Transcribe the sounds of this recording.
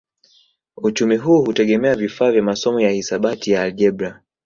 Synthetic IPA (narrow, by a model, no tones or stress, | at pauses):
ut͡ʃumiɦuːhutɛɠɛmɛavifaːvjamasɔmɔjahisaɓatijaːlʄɛbɾa